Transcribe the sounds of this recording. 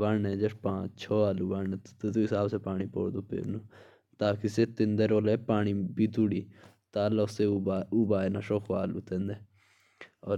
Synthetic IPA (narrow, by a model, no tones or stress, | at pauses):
aɛ̃ːd͡ʒəspãːt͡ʃt͡ʃʰɔːaːluːbaːeːt̪ːt̪uɪsaːbseːpaːɽ̃iːpo̰ːɽd̪oːpʰḛːɾnũː | t̪aːkɪseːt̪ɪnd̪eɾoːlɛːpaːɳ̃iːbiːt̪ʊɽiː | t̪aːləseːuːbaːenaːʃoːkʰoaːlṵːt̪ɛ̃nd̪ɛː | ɔː